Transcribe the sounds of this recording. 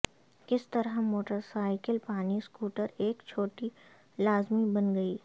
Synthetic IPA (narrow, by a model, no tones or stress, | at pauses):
kɪst̪ɐɾəɦmoːʈəɾsaːɪkəlpaːniskuːʈəɾeːkt͡ʃʰoːʈi | laːzmibɐnɡɐiː